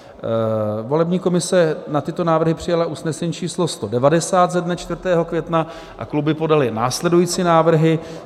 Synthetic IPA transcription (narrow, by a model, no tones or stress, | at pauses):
vo̞lɛbɲiːko̞mɪsɛnat̪ɪt̪o̞naːvr̩ɦɪpr̥ɪjalaʔusnɛsɛɲiːt͡ʃiːslo̞st̪o̞dɛvadɛsaːt̪zɛdnat͡ʃt̪vr̩t̪ɛːɦo̞kvjɛt̪na | ʔa̰klubɪpo̞dalɪnaːslɛdujiːt͡siːnaːvr̩ɦɪ